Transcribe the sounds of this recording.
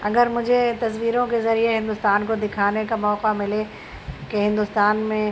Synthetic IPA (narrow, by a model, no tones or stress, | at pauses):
ɐɡəɾmʊ̃d͡ʑʱet̪ɐsʋiːɾõkezɐɾieɦɪ̃nd̪ʊst̪aːnkod̪ɪkʰaːnekamɔːqamɪle | keɦɪ̃nd̪ʊst̪aːnmẽ